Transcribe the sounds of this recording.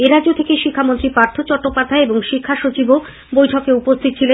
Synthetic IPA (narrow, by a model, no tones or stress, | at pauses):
eɾad͡ʑot̪ʰekeʃikʰːamont̪ɾipɾaɾt̪ʰot͡ɕɔʈːopad̪ʱaeeboŋʃikʰːaʃot͡ɕibo | bojʈʰɔkeupost̪ʰit̪̚ːt͡ɕʰile